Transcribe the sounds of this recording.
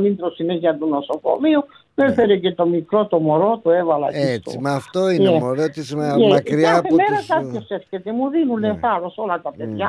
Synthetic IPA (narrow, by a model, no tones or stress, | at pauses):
nint̪ɾɔsinɛziad̪unɔsɔkɔ̰miu | mɛpɛɾɛkɛt̪ɔmikɾɔt̪ɔmɔɾɔt̪uɛvala̰kit̪ṵmaft̪ɔiɛmɔɾɔt̪ismaɛakɾiapɛmɛɾasak̪ɔsɛskɛt̪emurinulɛfaɾɔsɔlakapɛɾa